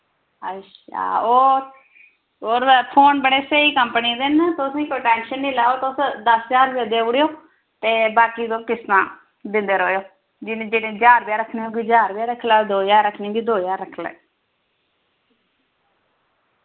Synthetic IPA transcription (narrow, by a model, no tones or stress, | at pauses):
əʃa̰ːoː | oːɾpʰoːnbəɽeːseːiːkəmpəniːd̪ent̪osĩːkoʈɛ̃ːnʃənːiːlaːoːt̪osd̪əsd͡ʒaːɾbjaːd̪eːɽjoː | t̪eːbaːkiːt̪õːkɪsnã̰ː | d̪ɪ̃nd̪eːɾoːjoː | d͡ʒɪned͡ʒeːɽẽːd͡ʒaːɾbɪjaːɾəkʰneːɦoːɡiːd͡ʒaːɾbjaːɾəkʰlaːd̪oːjaːɾəkʰnĩːɡiːd̪oːjaːɾːəkʰlḛː